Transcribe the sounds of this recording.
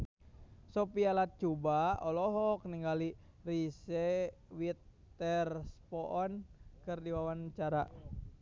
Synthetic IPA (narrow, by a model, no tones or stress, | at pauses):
sopialat̪̚t͡ʃubaɔlɔɦɔk̚niŋɡali | risɛwit̪ː | ɛrspɔʔɔnkɨrdiwawant͡ʃaɾa̰